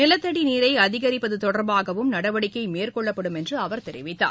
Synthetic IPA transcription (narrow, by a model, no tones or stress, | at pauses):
nɪlɐt̪ːɐɽiniːɾɐɪɐðɪɣɐɾɪpːɐðɯt̪ɔɽɐɾbaːɣɐʋɯmnɐɽɐʋɐɽɪkːɐɪmeːrkɔɭːɐpːɐɽɯmɛndrɯɐʋɐɾt̪ɛɾɪ̰ʋɪt̪ːa̰ː